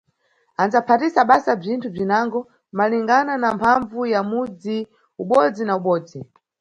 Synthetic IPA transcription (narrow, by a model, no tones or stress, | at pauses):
anzapʰatisaɓasab͡ʐintʰub͡ʐinaŋɡɔ | maliŋɡananampʰaɱvujamud͡zi | uɓɔd͡zinauɓɔːd͡zi